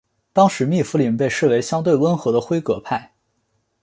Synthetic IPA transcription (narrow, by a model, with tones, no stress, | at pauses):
t̪ɑ˥ŋʂɻ̩˧˥mi˥˩fu˧˥li˨˩npe˥˧ɪʂɻ̩˥˩we˧˥ɪɕjɑ˥ŋt̪we˥˩ɪwə˥nxɤ˧˥d̪ə˧xwe˥ɪkɤ˧˥pʰa˥˩ɪ